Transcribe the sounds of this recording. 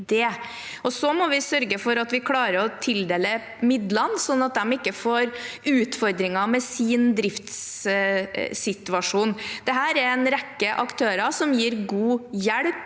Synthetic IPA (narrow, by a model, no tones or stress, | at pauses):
d̪ɛ | ɔsɔmɔʋɪsœɾɡəfɔɾɑt̪ʋɪkʰlɑːɾəɾɔt̪ʰɪld̪eːlə | mɪd̪lɑnsɔnːɑt̪̚d̪ɛmɪkːəfoːɾʉːt̪fɔɾd̪ɾɪŋɑmɛsiːnd̪ɾɪft̪s | sɪt̪ʉɑʂuːnd̪̥ɛɦæːɾɛɾɛnɾɛkːəʔɑkt̪ʰøːɾɑsɔmjiːɾɡuːjæɽp